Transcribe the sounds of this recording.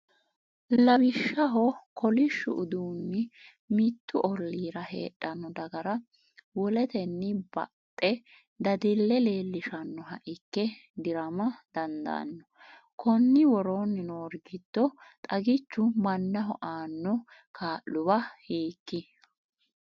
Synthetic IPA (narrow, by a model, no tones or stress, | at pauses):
lɐbɪʃːɐɦɔkʰɔlɪʃːʊ̰ʊd̪uːnːɪ | mɪt̪ːʊʔɔlːiːɾɐhḛːɗːɐnːɔd̪ɐɡɐɾɐ | wɔlɛt̪ɛnːɪbɐ̰tʼːɛ | d̪ɐd̪ɪlːɛle̞ːlːɪʃɐnːɔɦɐʔɪkːɛ | d̪ɪɾɐmɐd̪̥ɐnd̪ɐ̰nːɔ | kʰɔnːɪwɔɾoːnːɪnoːɾɡɪd̪̥ːɔt̪ʼɐɡɪt͡ʃːʊmɐnːɐɦɔʔaːnːɔ | kʰaːʔːʊbɐhiːkːɪ